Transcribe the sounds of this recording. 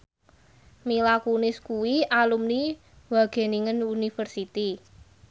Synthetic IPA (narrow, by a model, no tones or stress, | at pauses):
milakunɪskuwiʔalumni | waɡ̥e̤niŋənunifərsit̪i